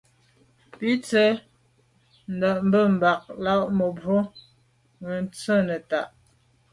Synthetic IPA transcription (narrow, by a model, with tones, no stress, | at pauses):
pi˦t͡sɛ˦ | n̩˨də˨ʔm̩˦bə˦˨m̩˨ba˨k̚la˦ʔmə˨bwo˦ | ɣə˨n̩˦t͡sə˦nə˨ta˨ʔ